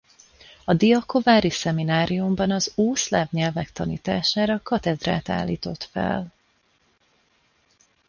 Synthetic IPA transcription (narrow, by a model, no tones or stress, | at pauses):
ɒd̪iɒko̞vaːɾisɛminaːɾijumbɒnɒzuːslaːvɲɛlvɛkt̪ɒnḭːt̪aːʃaːɾɒkɒt̪ɛd̪ra̰ːt̪a̰ːlːiːt̪o̞t̪fɛ̰l